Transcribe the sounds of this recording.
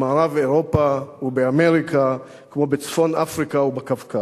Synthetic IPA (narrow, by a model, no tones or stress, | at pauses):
maːʁaveʁopaubeame̞ʁikʰa | kmo̞bet͡sfo̞nafʁikaubekavka